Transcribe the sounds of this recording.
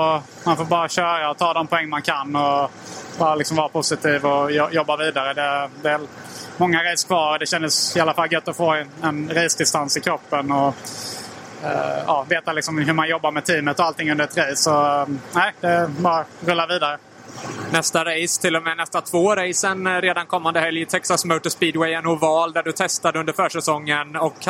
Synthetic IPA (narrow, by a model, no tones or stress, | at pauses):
ɔ | manfoːɾbɑːɾaɕœːɾaɔt̪ʰɑːd̪ɔmpʰɔɛŋːnmankʰanːɔ | bɑːɾalɪksɔmvɑːɾapʰʊsɪt̪ʰiːvɔɔjɔbːaɾviːd̪aɾəd̪ɛd̪ɛvɛl | mɔŋːaɾɛjskʰvɑːɾɔd̪ɛɕɛnd̪əsɪalːafalːɡœt̪ːɔfoːɛnɾɛːsd̪ɪst̪ansɪkʰɾɔpːənɔ | ɑ̰ːveːt̪alɪksɔmɦɵɾmanjɔbːaɾmɛt̪ʰiːmət̪ɔalt̪ɪŋːɵnd̪əɾɛt̪ɾejsɔnæɪd̪ɛbɑːɾaɾɵlːaɾviːd̪aɾə | nɛst̪aɾejst̪ʰɪlːɔmɛːnɛst̪at̪ʰvoːɾɛjsənɾeːd̪ankʰɔmːand̪əhɛljt̪ʰɛksasməʊt̪ɔspiːd̪wɛjɛnʊvɑːld̪æɖɵt̪ʰɛst̪ad̪əɵnd̪əɾfœːʂɛsɔŋːənɔk